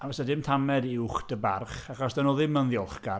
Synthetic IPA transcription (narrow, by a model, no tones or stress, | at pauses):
avɛsadɪmtʰamɛdiʊχd̥əba̰rχaχɔsd̥anɔːðɪmənðjɔlˠχɡ̥a